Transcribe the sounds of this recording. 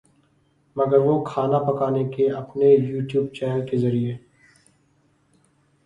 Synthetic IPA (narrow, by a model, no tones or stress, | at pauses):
mɐɡəɾʋokʰaːnapɐkaːnekeɐpnejuːʈjuːb̚t͡ʃɛːnəlkezɐɾie